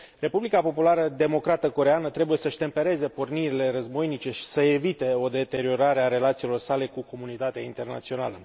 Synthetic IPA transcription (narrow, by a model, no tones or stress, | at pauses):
re̞publikapo̞pulaɾəd̪e̞mo̞kɾat̪əko̞ɾe̞anət̪ɾe̞buje̞səʃʲt̪e̞mpe̞ɾe̞ze̞po̞rniɾile̞rəzbo̞jnit͡ʃe̞ʃi̥səevit̪e̞o̞d̪e̞t̪e̞ɾio̞ɾaɾeaɾe̞lat̪silo̞rsale̞kuko̞munit̪at̪eaint̪e̞rna̰t̪sio̞na̰lə